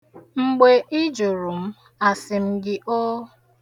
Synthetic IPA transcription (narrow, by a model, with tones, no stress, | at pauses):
ŋ͡m̩˦ɡ͡be˨ʔɪ˦d͡ʒo˨ɾu˨m̩˦ | a˨sɪ˨m̩˦ɡɪ˦ʔo˦